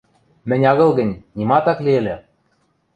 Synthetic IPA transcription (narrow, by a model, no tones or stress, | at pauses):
mɘ̆nʲɑɣɤ̆lˠɣɘ̆nʲnʲimɑt̪ɑkliĕlʲɘ̆